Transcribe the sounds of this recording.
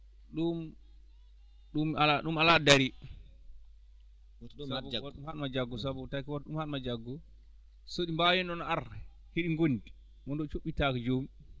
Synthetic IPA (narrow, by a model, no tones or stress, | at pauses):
ɗum | ɗumalaɗumaladaɾi | sabwumhanmad͡ʒaɡːɔsabɔtakwatɗumhanmad͡ʒaɡːɔ | soɗimbajɛnɗɔnɔaɾ | hiɗiŋɡondi | mɔndɔt͡ʃoɓːitakɛd͡ʒomi